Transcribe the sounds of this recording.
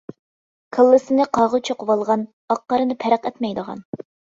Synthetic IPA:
kʰəlˠːɨsɨnɨqʰɑʁʊt͡ʃʰoqʊwɑlˠʁɑn | ɑqːɑɾɨnɨpʰɛɾəqɛt̪mɛjd̪əʁɑ̰n

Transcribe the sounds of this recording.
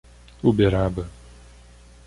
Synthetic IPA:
ubeɾabɐ

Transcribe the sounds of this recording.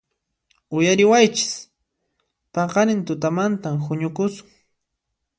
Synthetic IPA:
ʊjaɾɪwajt͡ʃɪ̥s | pɑqɑnɪnt̪ʊt̪amant̪amxʊɲʊkʊsʊ̥ŋ

